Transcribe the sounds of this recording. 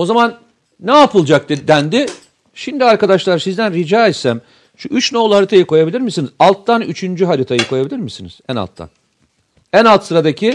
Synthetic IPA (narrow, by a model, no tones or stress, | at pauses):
o̞zamanː | ɛapɯlˠd͡ʒak̚t̪ɯd̪ænd̪ɪ | ʃimd̪iaɾkad̪aʃlˠaɾsizd̪ænɾid͡ʒaːɛt̪sæm | ʃuyt͡ʃnolˠuhaɾit̪ʰajɯkʰo̞jabilʲiɾmisinizalˠt̪ʰːanyt͡ʃʰynd͡ʒyɦaɾit̪ʰajɯkʰo̞jabilʲiɾmisiniz̥æna̰lˠt̪ʰːa̰n | ænalˠt̪sɯɾad̪acʰi